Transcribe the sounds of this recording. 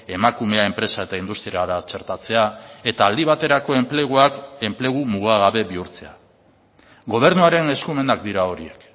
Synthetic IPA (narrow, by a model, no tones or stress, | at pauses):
e̞makume̞ae̞mpɾe̞sae̞t̪aind̪ust̪ɾiaɾat͡ʃe̞ɾt̪at͡se̞ae̞t̪aːld̪iβ̞at̪e̞ɾako̞empeɣuake̞mple̞ɣ̞umuɣ̞aɣaβe̞βiuɾt͡se̞a | ɡo̞β̞e̞ɾnuaɾe̞ne̞skume̞nakd̪iɾao̞ɾie̞k